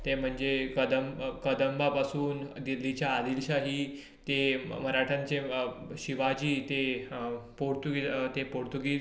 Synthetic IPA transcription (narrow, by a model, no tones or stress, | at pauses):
t̪em̤əɳd͡zekəd̪əmkəd̪əmbapasuːnd̪ilːit͡ɕjaːd̪ilɕaɦiː | t̪em̤əɾaʈʰãɲt͡seɕiʋad͡ʑiːt̪e | poɾt̪uɡit̪epoɽt̪uɡiː